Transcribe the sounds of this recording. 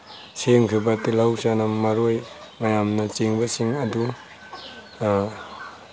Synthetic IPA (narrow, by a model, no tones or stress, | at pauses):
seŋkʰibɐtilawsanɐmːɐɾojmɐjamnɐt͡ʃiŋbɐsiŋɐdu